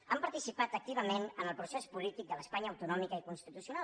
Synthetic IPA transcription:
əmpəɾt̪isipat̪ək̚t̪iβ̞əmenənəlˠpɾusɛspulit̪ik̚d̪ələspaɲəːəwt̪unɔmikəikunst̪it̪usiunal

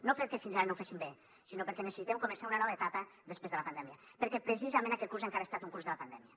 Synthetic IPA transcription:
nopəɾkɛfinzaɾɐnowfasimbe | sinopəɾkɛnəsə̥sit̪emkomə̃nsaunɐnɔβəet̪apəðəspɾezðələpand̪ɛmjɐpəɾkɛpɾəsizamẽnakɛt̪̚kuɾzaŋkaɾest̪at̪uŋkuɾzðəlɐpand̪ɛmiɐ

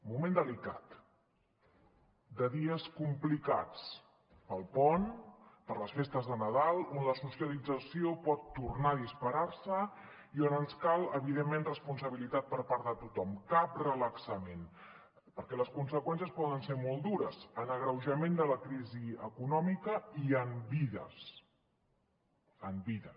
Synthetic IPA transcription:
mumend̪əlika̰t̪ | d̪əðiəskumplika̰t͡s | pəlˠpɔnpəɾləsfest̪əzðənəðalˠonləsusiəlid͡zəsiopɔt̪ːurnaðispəɾaɾsə | ionənskalˠəβiðemːenrəspunsəβilit̪at̪̚pəɾpaɾðət̪ut̪ɔmkap̚rələksəmen | pəɾkɛləskunsəkwɛns̬jəspɔðənseɾmɔlˠd̪uɾəzənəɣɾəwʒəmend̪ələkɾiziəkunɔmikəiəmbiðə̰s | əmbiðəs

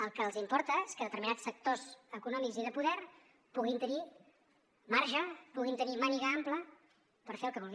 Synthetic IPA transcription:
əlˠkəːlˠzimpɔɾt̪əeskəðət̪əɾminat͡ssək̚t̪ozəkunɔmikziðəpuðɛɾ | puɣint̪əni | maɾʒəpuɣ̞int̪ənimaniɣəamplə | pəɾfeəlˠkəβulˠɣi

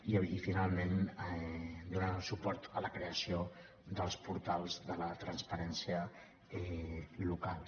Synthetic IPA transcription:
iifinalˠmen | d̪unəsupɔɾt̪ələkɾeəsio | d̪əlˠspuɾt̪alˠzðələt̪ɾənspəɾɛnsiə | ɛlukalˠ

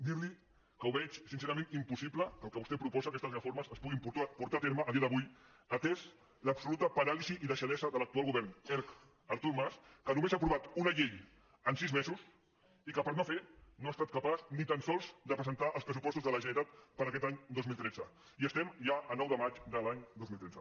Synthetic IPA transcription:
d̪iɾli | kəuβɛt͡ʃsinseɾəmẽnimpusipləkəlˠkəβust̪ɛpɾupɔzaəkɛst̪əzrəfoɾməsəspuɣimpupuɾt̪at̪eɾməʔːðiəðəβuj | ət̪ɛs | ləpsulut̪əpəɾaliziʔiðəʃəðɛzəðələk̚t̪ualˠɣuβɛɾnɛɾk | əɾt̪uɾmaskənumezapɾuβat̪unəʎej | ənsizmɛzus | ikəpəɾnofenoast̪at̪̚kəpaznit̪ansɔlˠzd̪əpɾəzənt̪aʔəlˠspɾəs̬upɔst̪uzðələʒənit̪at̪pəɾɐkɛt̪aɲd̪ozmilˠt̪ɾɛd͡zə | iəst̪ɛmʒaʔənɔwðəmat͡ʃd̪əlaɲd̪ozmilt̪ɾɛd͡zə

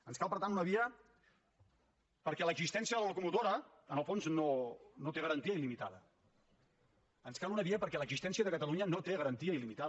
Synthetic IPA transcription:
ənskalpəɾt̪aunəβiə | pəɾkɛləɡzist̪ɛnsiəðələləkumut̪oɾə | ənəlˠfonznonot̪eɣəɾənt̪iəilimit̪aðə | ənskalunəβiəpəɾkɛləɡzist̪ɛnsiəðəkət̪əluɲənot̪eɣəɾənt̪iəilimit̪a

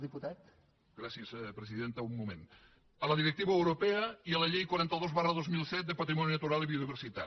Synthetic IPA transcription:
ðiput̪at̪ | ɡɾasiəspɾeziðent̪aumːumḛ̃n | ələðiɾek̚t̪iβɐewɾopeɐiəlɐʎejkwaɾɛnt̪əðozβarəðozmilˠsɛt̪̚d̪epɐt̪ɾimɔnjunɐt̪uɾaliβioðiβeɾsit̪a̰

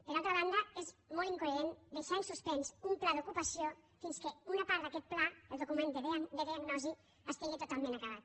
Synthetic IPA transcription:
pəɾalˠt̪ɾəβand̪ɐezmɔlˠiŋkoeɾend̪əʃɛɾsuspɛnzumplaðukupəsijofinskeunapaɾd̪akɛt̪̚plaelˠd̪ukumẽnd̪ed̪əðiaɡnɔzi | əst̪eɣet̪ut̪alˠmẽnakəβ̞at̪̚

